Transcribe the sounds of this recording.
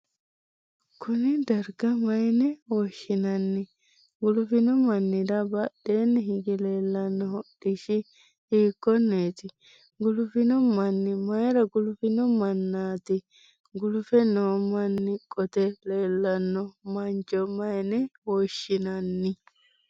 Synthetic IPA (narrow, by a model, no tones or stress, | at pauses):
kʊnɪd̪ɐɾɡɐmɐjnɛwoʃɪnɐnːɪ | ɡʊlʊfɪnɔmɐnːɪd̪ɐbɐɗeːnːɛɦɪɡɪle̞ːlːɐnːɔɦɔɗɪʃɪ | iːkːɔneːt̪ɪ | ɡʊlʊfɪnɔmɐnːɪmɐjɾɐɡʊlʊfɪnɔmɐnːaːt̪ɪ | ɡʊlʊfɛnoːmɐnːɪkʼːɔt̪ɛle̞ːlːɐnːɔmɐnt͡ʃʼɔmɐjnɛwoːʃːɪnɐnːɪ